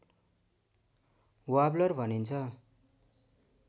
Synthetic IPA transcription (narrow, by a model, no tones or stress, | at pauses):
wablʌrbʱʌnint͡sʰʌ